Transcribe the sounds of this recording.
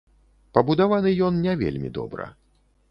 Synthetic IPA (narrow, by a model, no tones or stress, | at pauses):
pɐbud̪avanɨjɔnnʲɛvʲḛlʲmʲḭd̪ɔ̰bɾɐ̰